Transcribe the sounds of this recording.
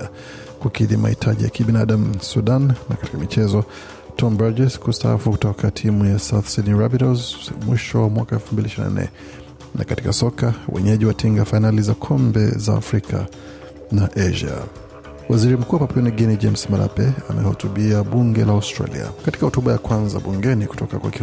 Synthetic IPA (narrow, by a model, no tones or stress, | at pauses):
kukiɗima̰hitʰaʄija̰kiɓinaɗam̩suɗannakati̥kamit͡ʃɛzɔ | tʰɔmbad͡ʒɛskustaafuku̥tɔkʰatʰimujasawθsidnɹabiɾɔzmwiʃɔwamwakaɛlfumbiliaʃiɾina̰nɛ̰ | nakati̥kasɔkawɛ̰ɲɛʄiwatʰiŋɡafainalizakʰɔmbɛ̰za̰ːfɾikʰa̰ | naʔɛʒa̰ | waziɾim̩kuːwapapiɔniɡɛnid͡ʒɛmsmaɾa̰pɛamɛhɔtuɓiaɓuŋɡɛlaawstɾa̰lḭa̰kati̥kahɔtuɓajakwanza̰ɓuŋɡɛniku̥tɔkakwa̰ki